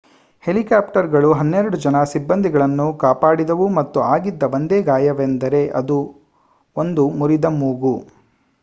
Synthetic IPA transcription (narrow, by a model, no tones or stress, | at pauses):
he̞likaːpʈɐɾɡɐɭuɦɐnːeɾɐɽud͡ʒɐnɐsibːɐnd̪ʱiɡɐɭɐnːukaːpaːɽid̪ɐʋumɐt̪ːuaːɡid̪ːɐʋɐnd̪eːɡaːjɐʋend̪ɐɾe̞ʔɐd̪u | ond̪umuɾid̪ɐmuːɡu